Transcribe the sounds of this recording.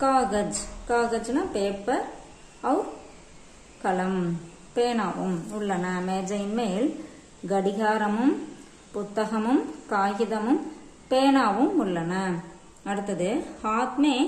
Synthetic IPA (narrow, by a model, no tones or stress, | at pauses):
kaːɣɐd͡ʒkaːɣɐd͡ʒnɐpeːpːɐɾ | ɐʋ | kɐlɐm | peːnaːʋɯmʊɭːɐnɐmeːd͡ʒɐjnmeːl | ɡɐɽɪɣaːɾɐmɯm | pʊt̪ːɐɣɐmɯmkaːɣɪðɐmɯm | peːnaːʋɯmʊɭːɐnɐ | ɐɽɯt̪ːɐðɯhaːt̪meː